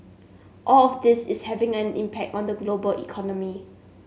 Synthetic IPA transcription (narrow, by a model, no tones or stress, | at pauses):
ʔɔlɔfdɪsɪshɛvɪ̃ŋɛ̃nḭ̃mpʰɛk̚tɔ̃ndəɡlobəlʔḭkʰɔnɔmi